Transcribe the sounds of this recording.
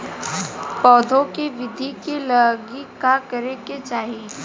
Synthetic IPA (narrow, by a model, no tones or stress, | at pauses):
pɔːd̪ʱõkiʋɪd̪ʱikilɐɡikakɐɾeket͡ʃaːɦi